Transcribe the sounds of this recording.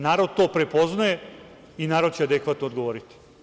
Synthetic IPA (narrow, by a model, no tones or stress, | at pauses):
naːɾo̞d̪̚t̪o̞ːpɾe̞po̞znaje | inaːɾo̞d̪̚t͡ɕead̪ekʋaːt̪nod̪ɡoʋoɾit̪i̥